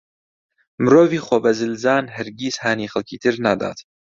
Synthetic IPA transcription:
mɨɾoːviːxobɐzɨlzaːnɦɐɾɡiːzhaːniːxɐlkʰiːt̪ʰɨɾnad̪a̰ːt̪

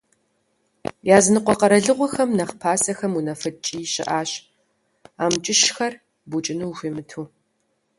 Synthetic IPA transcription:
jaːzɨnɨqʷɔqɐɾɐɮɨʁʷɔxɐmnɐχpʰaːsɐxɐmunɐfɐt͡ʃʼiːɕɪ̰ʔaːɕ | aːmt͡ʃʼɪʃxɐr | but͡ʃʼɪnɨwʒʷiːmɨtʰuː

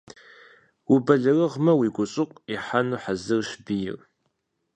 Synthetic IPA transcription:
wubɐɮɐrɐʁmɐwiːɡʷʊɕʼɪqʷʼiħanuħazɨrɕbijɪ̰r

